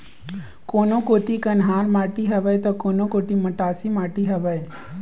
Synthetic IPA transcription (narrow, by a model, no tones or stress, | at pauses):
koːnõkoːt̪ikənɦaːɾmaːʈiɦɐʋəjt̪okoːnõkoːt̪iməʈaːsimaːʈiɦɐʋəj